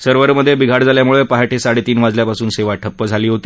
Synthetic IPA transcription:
səɾʋəɾməd̪ʱːjebiɡʱaɽd͡zaljamuɭəpaɦaʈʰesaɽet̪iːnʋad͡zljapasuːnseʋaʈʰəpːəd͡zʱaliːɦot̪i̥ː

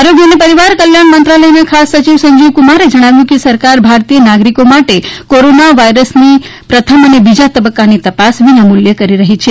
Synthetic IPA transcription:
aɾoɡjənepəɾiʋaɾkəljaɳmənt̪ɾaləjnakʰasːət͡ʃiʋsəɲd͡ʒiʋkumaɾed͡ʒəɽ̃aʋjũkesəɾkaɾbʱaɾt̪ijənaɡɾikomaʈekoɾonaʋaiɾəsnipɾət̪ʰəmənebid͡ʒat̪əbəkːanit̪əpasʋinamʊljəkəɾiɾəɦit͡ʃʰe

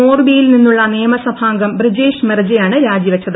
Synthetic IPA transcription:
oːrbijilninːuɭːɐnejɐmɐsɐbʱaːŋɡɐmbrid͡ʑeːʂmerɐd͡ʑɐjaːɳɨɾaːd͡ʑjiʋɐt͡ɕːɐðɨ

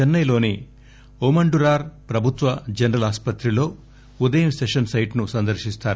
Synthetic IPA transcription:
t͡ʃɛnːɐjlo̞ːni | oːmɐɳɖuɾaːɾpɾɐbʱut̪ʋɐd͡ʒɐnɐɾɐlaːspɐt̪ɾilo̞ː | ud̪ɐjɐmseʂɐnsɐjʈnusɐnd̪ɐɾʃist̪aːɾu

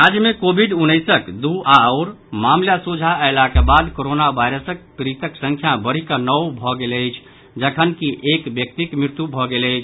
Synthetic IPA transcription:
ad͡ʒmekobʱiɖunəjsəkd̪uaəʊɾ | mamljasud͡ʒʱaəjlakebad̪koɾonabajɾəsək̚pɾit̪əksə̃ŋkʰjabəɾ̤ikənəwbʱɔɡeləjt͡ʃʰ | d͡ʒəkʰənkiʔekbjək̚t̪ikmɾiɾt̪jubʱɔɡeləjt͡ʃʰ

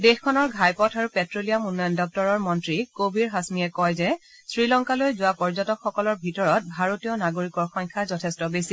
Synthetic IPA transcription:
dexkʰɔnɔɹɡʱajpɔtʰaɹupɛtɹolijamunːɔjɔndɔk̚tɔɹɔɹmɔntɹikobʱiɹɦasmiɛkɔjzɛsɹilɔŋkalojzʊwapɔɹzɔtɔkʰxɔkɔlɔɹbʱitɔɹɔt̚bʱaɹotijɔnaɡoɹikɔɹxɔɲkʰazɔtʰɛstɔbesi

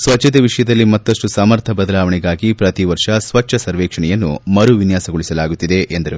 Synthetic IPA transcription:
sʋɐt͡ʃːɐt̪eʋiʂɐjɐd̪ɐlːimɐt̪ːɐʂʈusɐmɐɾt̪ʰɐbɐd̪ɐlaːʋɐɳɛɡaːɡipɾɐt̪iʋɐɾʂɐsʋɐt͡ʃːʃɐsɐɾʋɛːkʂɐɳɛjɐnːumɐɾuʋinjaːsɐɡoɭisɐlaːɡut̪ːid̪e̞ʔend̪ɐɾu

